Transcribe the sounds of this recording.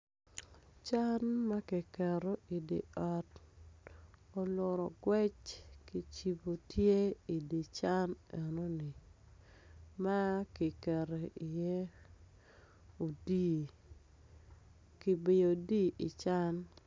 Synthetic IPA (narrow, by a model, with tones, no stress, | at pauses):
t͡ʃa˦nma˦ki˨kɛ˨ɾo˨i˨dḭ˨ɔ˨t | o˨lʊ˨ɾɔ˨ɡwɛ˦t͡ʃki˨t͡ʃi˨bo˨tje˦i˨di˨t͡ʃa˦nɛ˨no˦nɪ˨ | ma˦kɪ˨kɛ˨ɾo˨ʔi˨je˦ | o˨di˦ | kɪ˨bɪ˨jo˨di˦i˨t͡ʃa˦n